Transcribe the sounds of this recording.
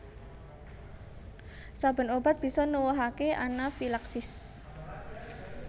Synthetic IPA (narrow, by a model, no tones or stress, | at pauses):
sab̥ə̤nobat̪̚b̥isɔnəwɔɦakeʔanafilaksɪs